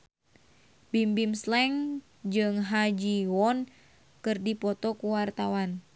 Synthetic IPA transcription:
bimbimslɛŋ | d͡ʒɨŋɦad͡ʒiwɔn | kɨrdipɔt̪ɔkuwart̪awan

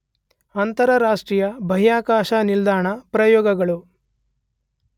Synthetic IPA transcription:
ɐnt̪ɐɾɐɾaːʂʈɾiːjɐbʱɐɦijaːkaːʃanild̪aːɳɐpɾɐjɔːɡɐɡɐɭu

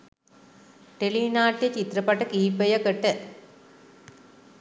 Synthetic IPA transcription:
ʈeɭiːnaːʈːijɐt͡ɕit̪rɐpɐʈːɐkiːpːɐjɐkəʈːə

